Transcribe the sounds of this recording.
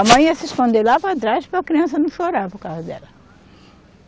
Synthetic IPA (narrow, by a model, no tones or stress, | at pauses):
ɐmɐ̃j̃ɐsɪskõnd̪elapɾat̪ɾaʃpɾɐkɾiɐ̃sɐnũʃoɾaɾpoɾkawzɐd̪ɛlɐ